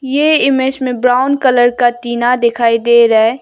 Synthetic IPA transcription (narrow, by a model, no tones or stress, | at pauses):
jeːɪmed͡ʒmẽbɾaːʊnkələɾkat̪iːnad̪ɪkʰaːid̪eːɾɛe